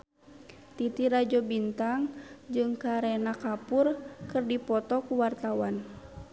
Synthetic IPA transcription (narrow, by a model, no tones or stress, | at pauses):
t̪it̪iɾad͡ʒɔbint̪aŋd͡ʒɨŋkaɾɛnakapurkɨrdipɔt̪ɔkuwart̪awan